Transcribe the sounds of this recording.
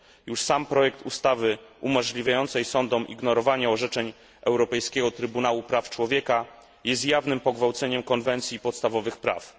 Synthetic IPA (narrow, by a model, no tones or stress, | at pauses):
juʂsampɾɔjɛk̚t̪ust̪avɘumɔʐlʲivʲjajɔnt̪sɛjsɔnd̪ɔmʔḭɡnɔɾɔvaɲaɔʐɛt͡ʂɛɲ | ʔɛwɾɔpɛjskʲɛɡɔt̪ɾɘbunawupɾaft͡ʂwɔvʲjɛka | jɛs̬t̪javnɘmpɔɡvawt̪sɛɲɛmkɔnvɛnt̪sʲjipɔt̪st̪avɔvɘxpɾa̰f